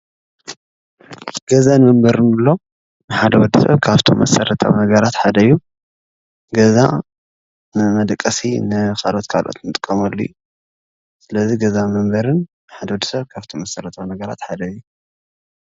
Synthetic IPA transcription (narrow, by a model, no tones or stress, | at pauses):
ɡ̥ɐzanmɐmbɐɾɨnɨlːo̞ | nɨħad̪ɐwɔd̪ːisɐ̰βkʰaβt̪ʰo̰mːɐ̰sɐɾɐt̪ʰa̰wnɐɡɐɾat̪ħad̪ɐjːu | ɡɐza | nɨmɐd̪ɐkʼːɐsinɨkalo̞t̪kʰalʔo̰t̪nɨt̪ʼɨ̥kʼːɐmɐlːṵju | sɨlɐziɡɐzanmɐmbɐɾɨnːħad̪ɐwɔd̪ːɨ̥sɐβkʰaβt̪ʰomɐsɐɾɐt̪ʰawnɐɡɐɾa̰t̪ħad̪ɐjːu